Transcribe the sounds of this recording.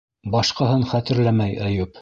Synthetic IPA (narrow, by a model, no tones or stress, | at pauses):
bɑʃqɑhɤnχæt̪ɘ̆ɾlæmæjæjɵp